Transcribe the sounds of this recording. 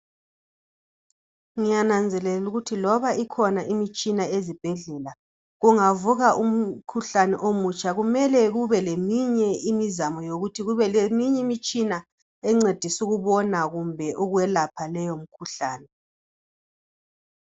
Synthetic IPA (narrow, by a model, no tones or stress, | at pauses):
ŋijanand͡zʱɛlɛluɣutʰilɔβaikʰɔnaʔimit͡ʃʼinaezib̥ʱɛɮɛla | ɣuŋavuɣaʔum̩kʰuɬanɛ̰ʔomut͡ʃʼaɣumɛlɛɣuβɛlemiɲɛimizamɔjoɣutʰiɣuβɛlemiɲɛimit͡ʃʼina | ɛŋ͡ǀed̥ʱisuɣuβɔnaɣumbʱɛʔuɣwɛlapʰalɛjom̩kʰuɬaːnɛ